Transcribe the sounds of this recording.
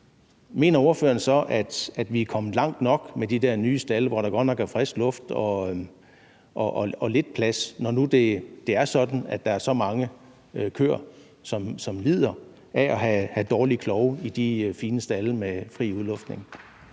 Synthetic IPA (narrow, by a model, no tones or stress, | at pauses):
me̝̰ːnɐo̝ɐfø̰ɐn̩sɒ̽ʔæd̥æd̥ʋiækʰɒ̽m̩ˠlɑ̈ŋ̰d̥nɒ̽ɡ̥med̥id̥æɐnyːəsd̥æləʋɒɾɑ̈ɡ̥ɒ̽d̥nɒ̽ɡ̥æfʁesɡ̥lɔ̽fd̥ɒ̽ | ʔɒʔːɒle̝d̥̚pʰlæsnɒnud̥e̝d̥e̝æɐsɒ̽d̥n̩æd̥ɑ̈æɐsɒ̽mɑ̈ŋə | kʰø̰ːɐ̰ | sɒ̽msɒ̽mlið̞̰ˠɐ | ʔæʔɒɦæhæd̥ɒːlikʰlɒʊəid̥ifiːnəsd̥æləmefʁḭːuðˠlɔ̽fd̥ne̝ŋ